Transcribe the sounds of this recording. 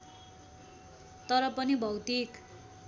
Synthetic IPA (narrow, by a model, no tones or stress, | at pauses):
t̪ʌɾʌpʌnibʱʌwt̪ik